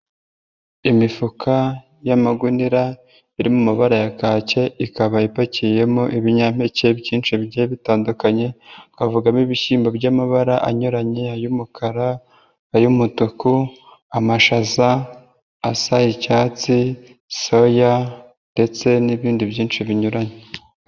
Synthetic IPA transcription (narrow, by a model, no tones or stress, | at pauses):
imifukʰa | jamaɡuniɾa | iɾimumaβaɾajakaːce̞ikaβaipacije̞moʔiβiɲam̥e̞ce̞bɟiːnt͡ʃibɟeβitaːndukaɲe̞kavuɡamiβiʃiːmbabɟamaβaɾaʔaɲoɾaɲeajumukʰaɾaː | jumutuku | amaʃazaː | sajicaːt͡si | so̞ja | nde̞t͡se̞niβiːndibjiːnt͡ʃiβiɲuɾaɲe